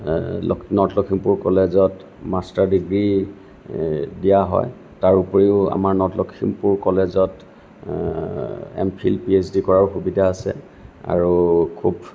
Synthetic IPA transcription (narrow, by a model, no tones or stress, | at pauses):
lnɔtlɔkʰimpuɹkɔlezɔt | mastaɹdiɡɹi | dijaɦɔ̰j | taɹupɔɹiʊa̰maɹnɔtlɔkʰimpuɹkɔlezɔt | ɛ̰mpʰḭlpiesdikɔɹaɹxubidaːsɛ̰ | a̰ɹukʰub